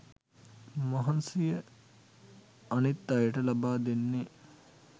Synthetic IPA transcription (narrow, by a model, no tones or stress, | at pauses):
mɐɦɐnsijə | ɐnit̪ːɐjəʈɐlɐbaːd̪inːi